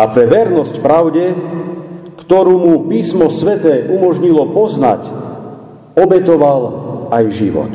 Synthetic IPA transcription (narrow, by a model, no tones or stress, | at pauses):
apɾɛʋɛɾnɔscpɾaʊɟɛ | kt̪ɔɾuːmupiːsmɔsʋɛt̪ɛːʔumɔʒɲilɔpɔzna̰c | ɔbɛt̪ɔʋalajʒiʋɔ̰t̪